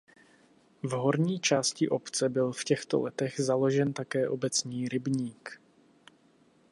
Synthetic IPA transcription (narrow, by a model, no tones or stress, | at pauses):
vɦo̞ɾɲiːt͡ʃaːscɪʔo̞pt͡sɛbɪlfcɛxt̪o̞̰lɛt̪ɛɣzalo̞ʒɛnt̪akɛːʔo̞bɛt͡sɲiːɾɪbɲiːk